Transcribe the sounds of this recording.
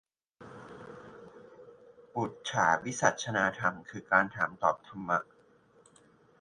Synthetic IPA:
bu˨˩t̪̚t͡ɕʰaː˩˦wi˦˥sa˨˩t̪̚t͡ɕʰa˧naː˧t̪ʰa˧mkʰɯː˧kaː˧nt̪ʰaː˩˦mt̪ɔː˨˩p̚t̪ʰa˧mːa˦˥ʔ

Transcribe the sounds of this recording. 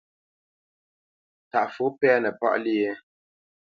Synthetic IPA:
ta˨ʔfu˨˦pɛ˦nə˨pɔ̰˦ʔli˦˨je˦

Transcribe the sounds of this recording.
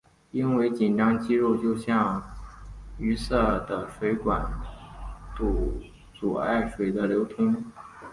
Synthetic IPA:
i˥nwe˧˥ɪt͡ɕi˨˩nʈ͡ʂɑ˥ŋt͡ɕi˥ɻo˥˧ʊt͡ɕjo˥˧ʊɕjɑ˥˩ŋ | y˧˥sɤ˥˩d̪ə˩ʂwe˧˥ɪkwa˨˧˩n | t̪u˧˩ | t͡su˨˩a̰˥˩ɪʂwe˨˩ɪd̪ə˦ljo˧˥ʊt̪ʰʊ˥ŋ

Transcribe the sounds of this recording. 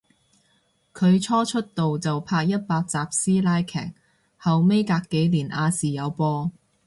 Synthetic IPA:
kʰɵ˨˧ɥt͡ʃʰɔː˥t͡ʃʰɵ˥t̚t̪o˨wt͡sɐ˨wpʰaː˧k̚jɐ˥t̚paː˧k̚t͡saː˨˧p̚siː˥laː˥jkʰɛ̰ː˨˩k̚ | hɐ˨wme˥jkaː˧kːe˨˧˥jliː˨˩nʔaː˨˧siː˨jɐ˨˧wpɔː˧

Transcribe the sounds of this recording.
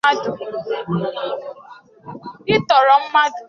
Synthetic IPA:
a˦dʊ˨ | ɪ˦tɔ˨ɾɔ˨m̩˦ma˦d

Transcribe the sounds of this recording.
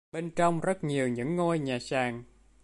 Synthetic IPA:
ɓe˧nt͡ɕɔ˧wŋ͡mzə˦˥t̚ɲi˨˩əwɲɨ̰˧˥ŋːo˧jɲaː˨˩saː˨˩ŋ

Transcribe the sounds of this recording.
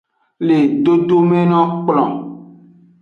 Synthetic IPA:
le˨ɖo˦ɖo˦mɛ̃˦nɔ̃˦k͡plɔ̃˨

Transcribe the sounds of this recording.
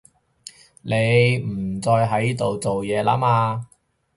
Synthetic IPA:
ne˨˧jm̩˨˩t͡sɔː˧jɦɐ˨˥jt̪o˨wt͡so˨wjɛː˨˧la̰ː˥maː˧

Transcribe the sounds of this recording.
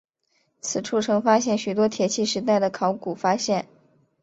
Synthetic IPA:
t͡sʰɹ̩˨˩ʈ͡ʂʰu˥˩ʈ͡ʂʰɤ˧˥ŋfa˥ɕjɛ˥˩nɕy˨˩t̪wɔ˥t̪ʰjɛ˨˩t͡ɕʰi˥˩ʂɻ̩˧˥t̪a˥˩ɪd̪ə˩kʰɑ˧˥ʊku˨˩fa˥ɕjɛ˥˩n

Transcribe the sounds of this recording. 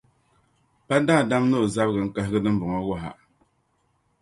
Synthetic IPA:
pa˦da˦˨da˦mno˦˨za˦bɡɨ˨ŋ̩˦ka˦hɪ˦ɡɨ˦dɨ˦m̩˦bʊ˨ŋɔ˦wɔ˦ɦa̰˨

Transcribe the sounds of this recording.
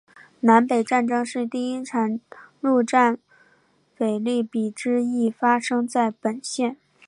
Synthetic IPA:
na˧˥npe˨˩ɪʈ͡ʂa˥˩nʈ͡ʂɤ˥ŋʂɻ̩˥˧t̪i˥˧i˥ʈ͡ʂʰa˨˩˥nɻu˥˧ʈ͡ʂa˥˩n | fe˨˩ɪli˥˩pi˨˩ʈ͡ʂɻ̩˥i˥˩fa˥ʂɤ˥ŋt͡sa˥˩ɪpə˨˩nɕjɛ˥˩n

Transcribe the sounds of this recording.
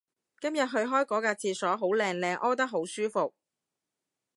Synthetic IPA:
kɐ˥mjɐ˨t̚ɦɵ˧ɥɦɔː˥jkɔː˨˥kaː˧t͡sʰiː˧sɔː˨˥ɦo˨˥wlɛː˧ŋlɛː˧ŋʔɔː˥t̪ɐ˥k̚ɦo˨˥wsyː˥fo˨k̚

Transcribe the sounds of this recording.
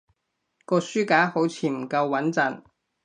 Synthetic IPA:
kɔː˧syː˥kaː˨˥ho˨˥wt͡sʰiː˨˩m̩˨˩kɐ˧wːɐ˨˥nt͡sɐ˨˩n

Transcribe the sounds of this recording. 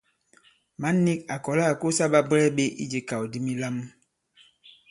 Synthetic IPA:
ma˨˦nːi˦k̚a˨kɔ˨la˦˨ko˦sa˦ɓa˦bɾɛ˦ɓe˦ʔḭ˦d͡ʒe˨ka˨wdi˦mi˦la˦m

